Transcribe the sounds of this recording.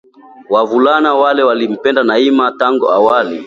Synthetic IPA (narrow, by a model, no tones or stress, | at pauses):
wavulanawalɛwalim̩pɛndanaimataŋɡuawali